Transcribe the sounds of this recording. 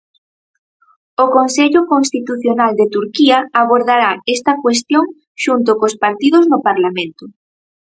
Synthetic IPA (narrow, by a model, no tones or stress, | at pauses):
okonseʎʊkonst̪it̪uθjonald̪et̪uɾkiɐaβ̞oɾðaɾaest̪ɐkwest̪joŋ | ʃunt̪̬ʊkospaɾt̪iðoznʊpaɾlamẽnt̪ʊ